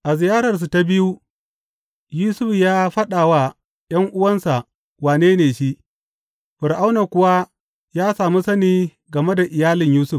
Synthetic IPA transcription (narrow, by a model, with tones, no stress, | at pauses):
ʔa˨zɪ˨jaː˦ɾɐ˨rs̬u˨ta˦bɪ˦ju˦ | juː˦sʊ˦ɸjaː˦ɸɐ˦ɗaː˨wa˦ | j̰ɐ˦ŋʔʊ˦wɐ˦nsa˨ʔ | waː˨neː˦neː˨ʃi˦ʔ | ɸʊ˨ɾʔa˦wna˨kʷʊ˦wa˦ | jaː˦saː˨mu˦sɐ˦niː˦ | ɡɐ˨me˦da˨ʔɪ˨jaː˦lɪ˨ɲjuː˦sʊ˦˨f